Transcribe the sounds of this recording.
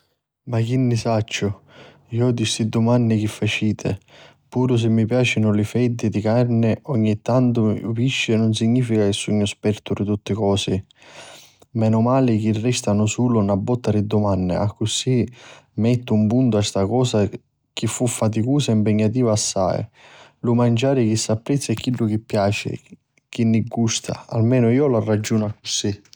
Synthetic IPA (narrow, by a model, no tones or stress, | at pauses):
mak̟inːɪsat͡ʃːʊ | iɔd̪ist̪id̪ːʊmanːɪk̟ifːat͡ʃiːt̪ʰɪ̰ | puːɾʊs̬ɪmːipjaːt͡ʃɪnʊlɪfɛd̪ːɪd̪ikarnɪʔɔɲːit̪ːant̪ʊpiʃːɪnʊns̬iɲːiːfikakɪsːuɲːʊspɛɾt̪ʊɾɪt̪ut̪ːɪkɔːsɪ | mɛnʊmaːlɪk̟irːɛst̪anʊsuːlʊnabːɔt̪ːaɾɪd̪ːʊmanːɪ̰akːʊsimɛt̪ːʊumpunt̪ʊɛst̪akɔːsa | k̟ifːufːat̪̬ikuːsaimpɛɲːat̪iːvaːsːa̰j̰lʊmand͡ʒaːɾɪk̟isːapːɾɛt̪sːjɛkːilːʊk̟ɪpːjaːt͡ʃɪ̰ | k̟inːɪɡust̪ʰa̰a̰lmɛːnʊiːɔlarːad͡ʒːuːnʊakːʊsi